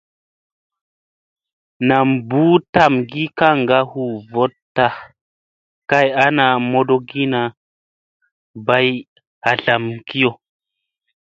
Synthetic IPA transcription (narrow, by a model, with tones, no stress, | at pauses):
na˨mbu˦ta˦˨mɡi˦ka˦ŋɡa˦hu˨vo˦tː | a˦ | ka˦ja˦na˨mo˦do˦ɡi˦na˨ | ba˦j | a˨ɬa˨mki˦jo˨